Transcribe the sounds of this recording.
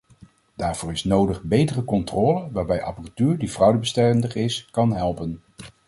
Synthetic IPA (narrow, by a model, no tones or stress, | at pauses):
d̥aːɹv̥ʊːrɪsnowdəχbejtərəkɔntrɔːləʋaːɹbɛjʔɑ̰pəratyːɹdivrʌwdəbəstɛrndəχɪskɑnɦɛlˠpən